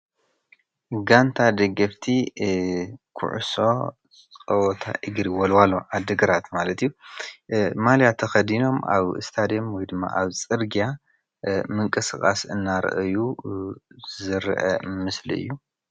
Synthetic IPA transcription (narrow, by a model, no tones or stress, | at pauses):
ɡant̪ʰad̪ɐɡɐft̪ʰi | kʰṵʕso | ɐwɔt̪ʰa̰ʔɨɡɾiwɔlwalːoʕad̪ɨɡɐɾat̪malɐt̪ʰɨjːu | maljat̪ʰɐxɐd̪ino̞ma̰βɨ̰st̪ʰad̪mwɔjd̪ɨmːa̰ʔaβt͡sʼɨɾɡija | mɨŋkʼɨsɨkʼa̰sɨnːaɾ̰ʔɨju | zzɨɾʔɐmɨslḭɨ̰jːu